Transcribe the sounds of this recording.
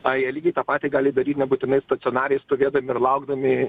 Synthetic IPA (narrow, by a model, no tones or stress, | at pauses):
ɐɛlʲiːɡʲɛɪt̪ɑːpɑːt̪ʲɪɡɑːlʲɪd̪ɐɾʲiːt̪nʲɛbuːt̪ʲɪnɐɪst̪ɐt̪sʲɪɔnɑːɾʲɛɪst̪oːʋʲeːd̪ɐmʲɪɪɾlˠɐʊɡd̪ɐmʲɪ